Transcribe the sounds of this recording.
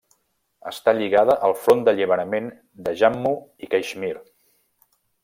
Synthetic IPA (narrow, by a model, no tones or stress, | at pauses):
ə̰st̪aʎiɣaðəʔəlˠfɾond̪əʎiβ̞əɾəmen | d̪əʒamːuikajʃmiɾ